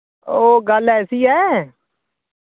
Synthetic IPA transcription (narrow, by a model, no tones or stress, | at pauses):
oːɡəlɛːsiːɦɛː